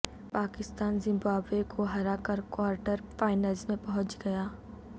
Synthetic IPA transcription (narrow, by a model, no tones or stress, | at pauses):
paːkɪst̪aːnzɪ̃mbaːbekʰoɦɐɾakɐɾkwaːɾʈəɾfaːɪnəlzmẽpɐɦʊ̃t͡ʃɡɐjaː